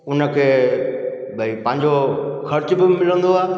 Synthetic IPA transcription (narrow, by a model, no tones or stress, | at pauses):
ʊnə̆kʰeː | bʱɐipɐ̃ɦɪ̃ɲd͡ʑoxʰɐɾt͡ɕbɪmɪlə̃nd̪oaː